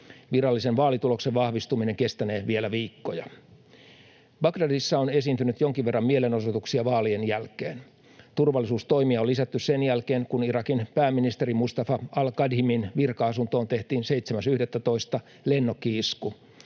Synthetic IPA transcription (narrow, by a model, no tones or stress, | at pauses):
ʋirɑlːisenʋɑːlit̪ulo̞kseʋʋɑhʋist̪umine̞ŋke̞st̪æneːʋielæʋiːkːo̞jɑ | bɑɡdɑdisːɑone̞siːnt̪ynyt̪joŋkiʋʋe̞rːɑmmieleno̞sot̪uksiɑʋɑːlienjælkḛːn | t̪urʋɑlːisuːst̪o̞ijmiɑolːisæt̪ːyssenjælkeːŋkunirɑkinpæːmːinist̪eɾimust̪ɑfɑɑlkɑdhiminʋirkɑɑsunt̪o̞ːnt̪e̞ht̪iːnseijt̪semæsyhdet̪ːæt̪o̞ist̪ɑ | lenːokːiisku